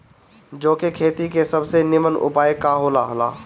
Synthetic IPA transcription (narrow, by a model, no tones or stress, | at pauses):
d͡ʒoːkekʰeːt̪ikesɐbsenɪmənʊ̰paːekaɦoːlaɦəla̰ː